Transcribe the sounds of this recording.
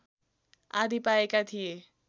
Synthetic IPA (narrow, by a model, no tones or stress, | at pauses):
ad̪ʱipaekat̪ʰije